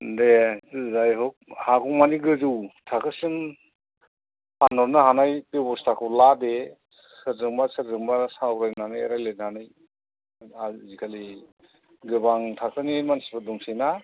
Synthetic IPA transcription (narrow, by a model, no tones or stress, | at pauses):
dezajɦɔk̚akɔmaniɡɯzɯwtʰakɯsɯn | panɔɾnɯɦanajpebɔstʰakʰɯwlade | sɯɾzɯŋbasɯɾzɯŋbasawɾajnanɯjɾajlenanɯj | azikʰali | ɡɯbaŋtʰak̚ɯnimansibaduŋsijna